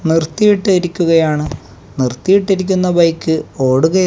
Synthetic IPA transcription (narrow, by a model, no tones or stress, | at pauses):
nirt̪ːijiʈːɨɐɾikʲːuɣɐjaːɳɨ | nirt̪ːijiʈːiɾik̬ʲːunːɐbɐjkːɨo̞ːɽuɣɐ